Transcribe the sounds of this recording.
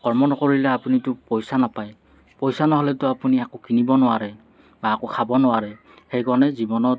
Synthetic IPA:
kɔɹmɔnɔkoɹilɛapunitʊpɔjsanapaj | pojsanɔɦolɛtʊapuniakokinibɔnʊwaɹɛ | baːkokʰabɔnʊwaɹɛ | xejkɔɹnɛzibɔnɔt

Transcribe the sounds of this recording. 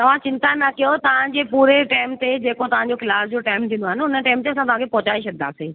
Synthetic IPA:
t̪ɐʋ̤ãt͡ɕɪ̃nt̪anɐkijot̪ɐʋ̤ãd͡ʑeːpuːɾeʈaːɪmt̪ed͡ʑeːkot̪ɐʋ̤ãɲd͡ʑokɪlaːsd͡ʑoʈaːɪmt̪ʰĩːnd̪oaːɦɪnɪʊnəʈaːmt̪eɐs̬ãt̪ɐʋ̤ãkʰepɔːt͡ɕaːeʃɐd̪d̪a̰ːseː

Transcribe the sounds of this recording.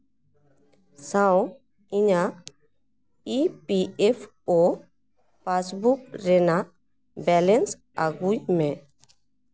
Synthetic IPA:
sãw | iɲa | ipiepʰ | ɔ | pasbuk̚ɾɛna | bɛlɛns | aɡujmɛ̃

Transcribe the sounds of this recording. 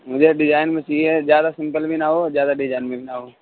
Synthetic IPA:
mʊd͡ʒʱeɖɪd͡ʒaːɪnmẽt͡ʃiːɛzjaːd̪asɪ̃mpəlbʱinaɦozjaːd̪aɖɪd͡ʒaːɪnmẽbʱinaɦoː

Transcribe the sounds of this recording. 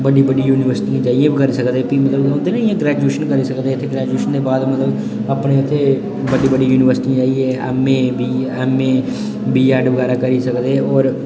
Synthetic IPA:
bəɖiːbəɖiːjuːnɪʋəɾsɪ̥ʈĩd͡ʒaːijãːbikəɾiːsəkd̪eːpiːmət̪ləbõːnd̪eːnaiãːɡɾɛːd͡ʒueːʃənkəɾiːsəkd̪eːt̪ʰːeːɡɾɛːd͡ʒueːʃənd̪eːbaːd̪mət̪ləb | aːpɳeːɪt̪ʰːeː | bəɖiːbəɖiːjuːnɪʋəɾsɪ̥ʈĩd͡ʒaːiɛːɛ̰ːmːẽːbiɛːmẽː | biːaːɖʋəɡɛːɾaːkəɾiːsəkd̪eːɔːɾ

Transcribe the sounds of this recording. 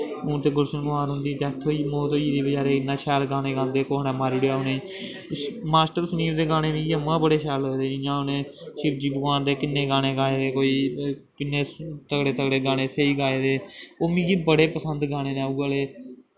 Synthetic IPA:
ʊːt̪eːɡʊlsənmaːnɦʊ̃nd̪iːd͡ʒ̪ɛːt̪ʰːoːiːmoːt̪oːiːd̪eːbɪd͡ʒaːɾeːɪnːãːʃɛːɾɡãːnẽːɡãːnd̪eːkoːɦnɛ̃ːmaːɾiːɽjaːɦoneː | maːsʈəɾsəniːɾd̪eːɡaːneːmĩːɡiːəmːãːbəɽeːʃɛːlɦoːd̪eːd͡ʒĩːd͡ʒãːonẽːʃɪbd͡ʒiːbʊkaːnd̪eːkɪnːẽːɡaːɽ̃eːɡaːeːd̪eːkoːiːkɪnːẽːt̪əkɽeːt̪əkɽeːɡaːñeːseːiːɡaːeːd̪eːoːmĩːɡiːbəɽeːpəsənd̪ɡaːñeːnɛ̃ːuɡaːleː

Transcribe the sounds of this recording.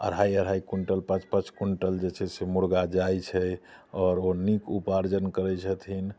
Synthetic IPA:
ə̰ɾɦajəɾ̤ɦaikuɳʈəlpãt͡ʃpãt͡ʃkuɳʈəld͡ʒet͡ʃʰɛsemuɾɡad͡ʒajt͡ʃʰɛ | ɔːɾonikupaɾd͡ʒənkəɾɛt͡ʃʰət̪ʰin

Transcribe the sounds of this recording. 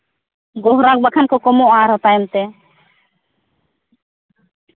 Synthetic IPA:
ɡɔɦɾãk̚bakʰankʰɔkɔmoãːɾɦɔt̪ajmt̪e

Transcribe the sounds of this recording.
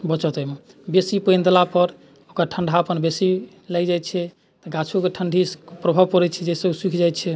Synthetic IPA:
bət͡ʃɔt̪əme | besipəjnd̪elapəɾ | okəɾʈʰəɳɖʱaəpənbesi | lɛjd͡ʒajtt͡ʃʰɛ | t̪ɔɡat͡ʃʰukeʈʰəɳɖʱipɾəbʱəbpɔɾɛt͡ʃʰɛd͡ʒesəbsikʰd͡ʒajt̪t͡ʃʰɛ

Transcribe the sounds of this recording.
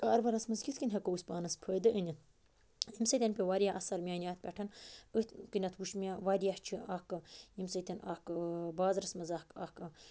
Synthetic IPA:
kaːɾʋɐɾɐsmɐzkʲit̪ʰkinʲɦɐkɐuspaːnɐspʰəːd̪ɨʔənʲi | imʲsɐt̪ʲɐnʲpʲeʋaɾijaʔɐsɐɾmʲaːnʲjaːt̪̚pʲɐʈʰɐnət̪kɨnʲɐt̪ʰwuʃmʲaʋaɾijaht͡ʃʰiʔakɨimsɐt̪ʲɐnakbaːzɾɐsmɐzakakɨ

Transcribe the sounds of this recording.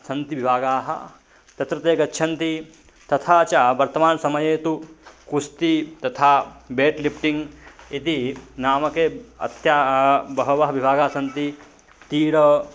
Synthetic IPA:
sɐnt̪iʋibʱaːɡaːɦɐ̰ | t̪ɐt̪ɾɐt̪eːkɐtːʃʰɐnt̪i | t̪ɐt̪ʰaːt͡ʃaːʋɐɾt̪ɐmaːnsɐmɐjeːt̪ukust̪it̪ɐt̪ʰaːbeːʈlipʰʈiŋɡit̪inaːmɐkeːɐ̰t̪jaːbɐɦɐʋɐɦɐʋibʱaːɡaːsɐnt̪i | t̪iːɾɐ

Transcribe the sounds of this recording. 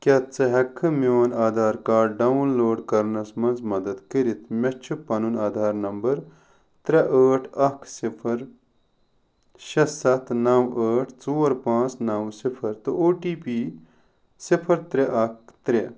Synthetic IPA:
kʲɐt̪t͡sɐɦɐkʰːɨmeːnaːd̪ʱaːɾkaːɖɖɐunloːɖkɐɾnɐsmɐnzmɐd̪ɐd̪kəɾit̪ʰmʲɐt͡ʃʰupɐnunaːd̪ʱaːɾnɐmbɐɾ | t̪ɾɐʔəːʈʰɐkʰsipʰɐɾ | ʃɐsɐt̪ʰnɐwəːʈʰt͡soːɾpãːt͡snɐwsipʰɐɾt̪ɨʔoːʈiːpiː | sipʰɐɾt̪ɾeʔɐk̚ʰt̪ɾe

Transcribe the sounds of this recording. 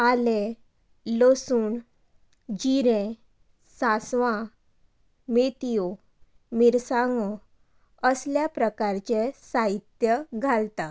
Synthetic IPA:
ale | losuːn | d͡ʑiɾẽ | sasʋã | met̪ijo | miɾsãŋɡɔ | əsljapɾəkaɾt͡ɕesaɦit̪jəɡʱalt̪a

